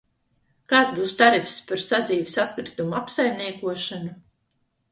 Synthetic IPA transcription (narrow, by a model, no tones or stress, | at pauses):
kaːt̪sbuːst̪aɾifspaɾsad̪ziːvisat̪kɾit̪umuapsajmniɛkuɔʃanu